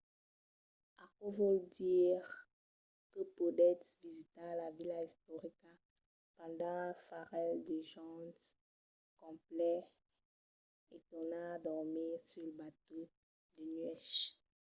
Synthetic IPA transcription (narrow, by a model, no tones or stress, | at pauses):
akwɔvɔld̪iːʁ | kəpod̪ɛt̪vizit̪alavilaist̪oʁika | pɑ̃d̪ɑ̃lafaʁɛld̪eʒɑ̃ | kɔ̃plɛ | et̪ɔnãd̪ɔʁmisyʁləbat̪o | d̪ənɥɛʃ